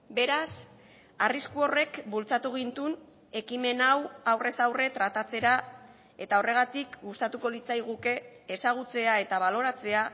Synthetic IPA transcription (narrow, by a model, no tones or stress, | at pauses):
be̞ɾas | ariskuo̞re̞kbult͡sat̪uɣ̞int̪un | e̞kime̞nawawre̞sawre̞t̪ɾat̪at͡se̞ɾa | e̞t̪ao̞re̞ɣ̞at̪ikɡust̪at̪uko̞lit͡sajɣ̞uke̞ːsaɣ̞ut͡se̞ae̞t̪aβ̞alo̞ɾat͡se̞a